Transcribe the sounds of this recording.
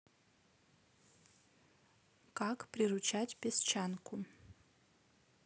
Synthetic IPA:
kakprʲirut͡ʃʰatʲpʲest͡ʃʰankʰʷʊ

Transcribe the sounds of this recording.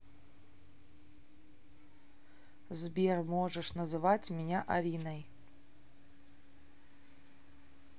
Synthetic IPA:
zbʲermoʐəʂnɐzɨvatʲmʲɪnʲaʔa̰ɾʲinɐj

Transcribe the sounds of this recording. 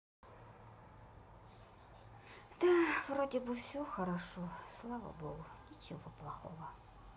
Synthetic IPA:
d̪̥avɾodʲɪbɨfsʲɔxɐɾaʂɔslˠavɐ̰bɔɣʊnʲɪt͡ʃɪvɔplˠɐxɔ̰vɐ

